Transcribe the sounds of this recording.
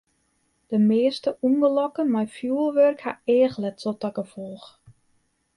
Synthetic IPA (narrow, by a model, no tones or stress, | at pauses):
d̥əmeəstəuŋɡəlɔkənmajfjuəlˠʋørkhaeːxlɛttotɔkəfɔlˠx